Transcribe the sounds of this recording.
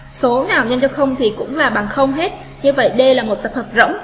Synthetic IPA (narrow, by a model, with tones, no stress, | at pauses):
so˨˦naː˨˩wɲə˧nt͡ɕɔ˧xə˧wŋ͡mt̪ʰi˨˩kʊ̰˧˥ŋ͡mlaː˨˩ɓa̰ː˨nxə˧wŋ͡mɦe˦˥t̚ | ɲɨ˧və̰˧˨jɗə˧jlaː˨˩mo˨˩t̚t̪ə˨˩p̚həː˨˩p̚zə̰˧˥wŋ͡m